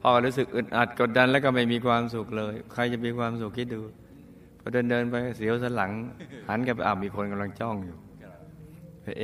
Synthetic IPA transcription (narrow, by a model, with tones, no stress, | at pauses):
pʰɔː˧kɔ˧˩ɾuː˦˥s̬ɯ˨˩k̚ʔɯ˨˩nʔaː˨˩t̪̚ko˨˩t̪̚da˧nlɛː˦˥˩kɔ˥˩ma˥˩jmiː˧kʰwaː˧msu˨˩k̚lɤː˧jkʰa˧jt͡ɕa˨˩miː˧kʰwaː˧msu˨˩kʰːi˦˥t̪̚duː˧ | pʰɔ˧˩dɤː˧ndɤː˧npa˧jksi˩˦wsaː˧˥la˩˦ŋha˩˦nka˧˩pa˧˩ʔa̰ː˨˩p̚miː˧kʰo˧nka˧mla˧ŋt͡ɕɔ˥˩ŋjuː˨˩ | pa˧˩ʔ